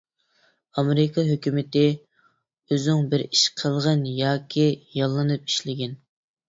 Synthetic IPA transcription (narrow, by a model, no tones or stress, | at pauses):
ɑmeɾɪkʰɑɦøkʲymɪt̪ɪ | øzyŋbɪɾiʃqʰəlˠʁənjɑːkʲʰijɑlˠːɨnɨp̚i̥ʃlɪɡʲɛn